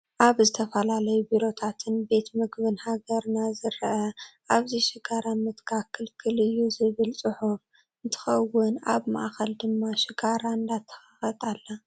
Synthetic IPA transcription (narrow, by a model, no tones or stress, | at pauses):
ʔaβzɨt̪ʰɐfɐlalɐjubiɾo̞t̪ʰat̪ʰɨnbe̞t̪mɨɡβɨnhaɡɐɾnazɨɾʔɐʔaβziʃɪɡaɾamɨt̪kʰakʰːɨlkʰɨlɨjːuzɨβɨlt͡sʼɨħuf | ɨnt̪ʰɨ̥xɐwːʊna̰βma̰ʔxɐld̪ɨmːaʃɪɡaɾand̪at̪ʰːɐ̥xaxɐt̪ʼalːɐ